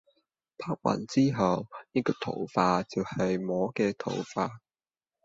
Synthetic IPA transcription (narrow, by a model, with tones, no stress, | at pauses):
pʰaː˥k̚wa̰˨˩nt͡siː˥ɦɐ˨wniː˥kɔː˧t̪ʰo̰˨˩wfaː˧t͡si˨whɐ˨jmɔː˨˥kɛː˧t̪ʰo̰˨˩wfaː˧